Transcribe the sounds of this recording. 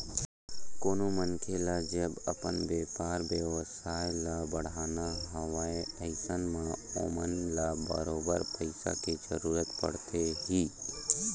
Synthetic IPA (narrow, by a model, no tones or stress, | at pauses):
koːnomənkʰelad͡ʒɐbɐpənbeːpaːɾbjewsaːjlabəɽ̤aːnaɦəʋaːeəɪsənmão̰ːmənlabə̰ɾoːbəɾpəɪsa̰ked͡ʒə̰ɾuːɾət̪pə̰ɽ̤t̪eɦiː